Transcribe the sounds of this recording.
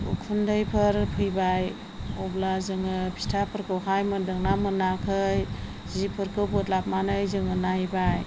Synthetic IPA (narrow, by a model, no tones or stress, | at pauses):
ṵkʰundɯjpʰɯɾpʰɯjbaj | ɔblazɯŋɯpʰi̥tʰapʰɯɾkʰɯwɦajmɯdɯŋnamɯnakʰɯj | zipʰɯɾkʰɯbɯt̚lap̚manɯjzɯŋɯnajbaj